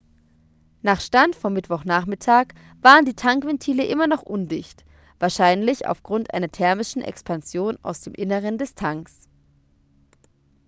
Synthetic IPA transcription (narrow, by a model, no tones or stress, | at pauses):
naːχʃtantfɔmːɪtv̥ɔχnaːχmɪtʰaːk | v̥aːʁəndiːtʰaŋkv̥ɛntʰiːləʔɪmɐnɔχʔʊndɪçt | v̥aːɐʃaɪnlɪça̰ʊfɡ̥ʁʊntʔa̰ɪnɐtʰɛɐmɪʃn̩ʔɛ̰kspanzjoːna̰ʊsd̥eːmʔɪnəʁ̞əndɛstʰaŋks